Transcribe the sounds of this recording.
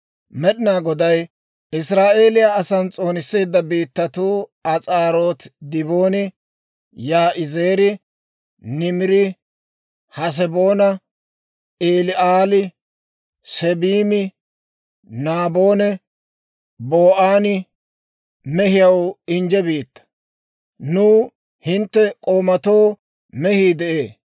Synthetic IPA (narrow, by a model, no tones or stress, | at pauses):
mɛɗɪnaːɡɔd̪ɐj | ɪsɾaːʔe̞ːlɪjaɐsɐnt͡sʼo̞ːnɪsːeːd̪ːɐbiːt̪ːɐt̪uːɐt͡sʼaːɾoːt̪d̪ɪβo̞ːnɪ | jaːʔɪzeːɾɪ | nɪmɪɾɪ | hɐs̬ɛboːnɐ | eːlɪʔaːlɪ | sɛbiːmɪ | naːbo̞ːnɛ | boːʔaːnɪ | mɛhɪjɐwɪnd͡ʒɛbiːt̪ːɐ̥ | nuː | hɪnt̪ːɛkʼoːmɐt̪o̞ː | mɛhiːd̪ɛʔeː